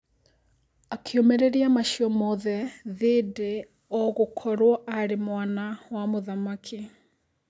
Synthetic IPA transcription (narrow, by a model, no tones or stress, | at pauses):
akʰeomeɾeɾiamaʃiɔmɔðɛðeːde | ɔɣokʰɔɾwɔʔaɾemwanawamoðamakʰi